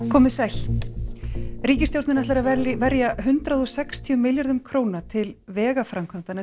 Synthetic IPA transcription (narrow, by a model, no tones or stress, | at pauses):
kʰɔːmɪsal̥ | ɾiːcɪst̪jowɾt̪nɪnatlaɾavɛɾjaɦʏnt̪ɾaðɔsɛkst̪ʰiʏmɪljaɾðʏmkʰɾoːwnat̪ʰɪlvɛːɣafɾamkʰvamt̪ana